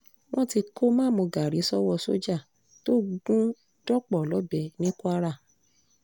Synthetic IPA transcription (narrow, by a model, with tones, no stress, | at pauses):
w̃ɔ̃˦ti˧kʰo˦mãː˦˨mõ˧ɡa˨ɾi˨˦sɔ˦wɔ˧˨so̰˦d͡ʒa˦˨ | to˦ɡũ˦ | d̥ɔ˦k͡pɔ˦˨lɔ˨˦bɛ˨nĩ˦ku˦a˦ɾa˦˨